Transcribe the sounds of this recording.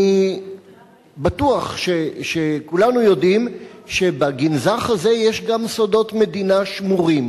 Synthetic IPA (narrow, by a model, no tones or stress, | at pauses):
i | batuaχʃeʃekulanujo̞dimʃe̞baɡinzaχhaze̞jeʃɡamsodo̞tme̞d̪inaʃmuʁim